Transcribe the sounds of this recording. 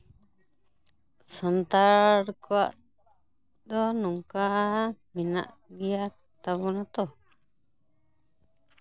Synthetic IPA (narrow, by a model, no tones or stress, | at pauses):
sant̪aɾkʷa̰ | d̪onũŋkamĩnã̰ʔβia | t̪aβunãt̪o